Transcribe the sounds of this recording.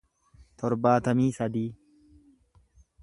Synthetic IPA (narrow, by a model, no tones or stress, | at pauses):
t̪ʰɔɾbaːt̪ɐmiːsɐd̪iː